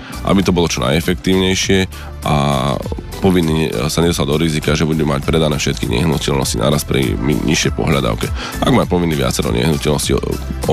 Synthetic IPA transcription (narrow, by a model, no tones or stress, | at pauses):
ʔa̰bit̪ɔbɔlɔt͡ʃɔna̰jɛfɛkt̪iːʊɲɛjʃɪɛ | ʔa̰ | pɔʋinːisaɲɛd̪ɔsad̪ɔɾizikaʒɛbuɟɛmɛmacpɾɛd̪anɛːfʃɛt̪̚kiɲɛ̰ɦnucɛʎnɔ̰scina̰ɾaspɾḭmḭɲiʃɪɛjpɔ̰ɦʎad̪a̰ʊkɛ | ʔa̰ɡmacpɔʋinːiʋɪa̰t͡sɛɾɔ̰ɲɛ̰ɦnucɛʎnɔsciɔ